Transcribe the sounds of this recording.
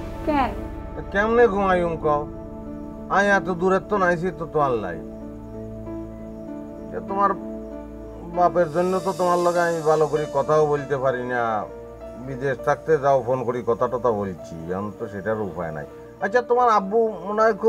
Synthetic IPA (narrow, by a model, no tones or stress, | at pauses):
kɛnkɛmneɡumajumkɔo | amĩat̪̬od̪uɾet̪ːonajs̬it̪ot̪omalla̰j | t͡ʃʰat̪omaɾ | bapeɾzonjot̪̬ɔt̪omaɾlɔɡeamibʱalokoɾikɔt̪ʰaobolt̪epaɾina | bid̪eʃt̪ʰak̚t̪ezaopʰonkoɾikɔt̪aʈɔt̪abolt͡ʃʰḭa̰nt̪ɔʃeʈaɾupʰa̰ḛna̰j | atːt͡ʃʰʃʰat̪omaɾabumonjkʰu